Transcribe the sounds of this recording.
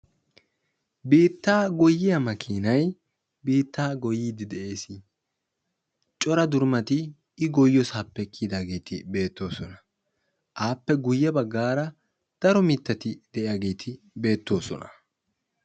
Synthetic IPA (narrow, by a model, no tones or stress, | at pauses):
biːt̪ːaːɡɔjːɪjɐmɐkʰiːnɐj | biːt̪ːaːɡɔjːiːd̪ɪd̪ɛʔe̞ːsɪ | t͡ʃʼɔɾɐd̪ʊɾmɐt̪ɪː | ɡɔjːɔsɐpːɛkʰːid̪aːɡe̞ːt̪ʰɪbe̞ːt̪ːo̞ːsɔnɐ̥ | ʔaːpːɛɡʊjːɛbɐɡːaːɾɐ | d̪̥ɐɾɔmɪt̪ːɐt̪ɪd̪ɛʔɪjaːɡe̞ːt̪ʰɪ | be̞ːt̪ːo̞ːsɔ̰nɐ